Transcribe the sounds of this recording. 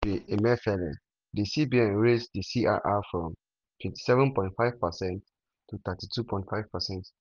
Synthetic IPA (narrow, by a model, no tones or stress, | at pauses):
iʔɛmɛfɛlɛ̰ | disibiɛ̃nɹesdisiʔa̰ʔafɹɔ̃m | tʰw̥ɛ̃nti̥sɛvə̃npɔ̃ɪ̃ntfaɪv̥pəsɛ̃nt | tːut̪atitʰupʰɔ̃ɪ̃ntfaɪv̥pəsɛ̃nt